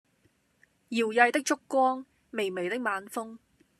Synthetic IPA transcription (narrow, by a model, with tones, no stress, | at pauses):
jiː˨˩wjɐ˧jt̪ɪ˥k̚t͡ʃʊ˥kːwɔː˥ŋ | me˨jme˨jt̪ɪ˥k̚maː˨˧nfʊ˥ŋ